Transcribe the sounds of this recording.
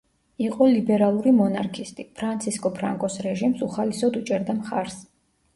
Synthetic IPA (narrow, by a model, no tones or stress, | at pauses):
iqʼɔlibɛɾalˠuɾimɔnaɾkʰist̪ʼipʰɾant̪sʰiskʼɔpʰɾa̰ŋkʼɔsɾɛʒimsuχalisɔd̪ut͡ʃʼɛɾd̪amχaɾs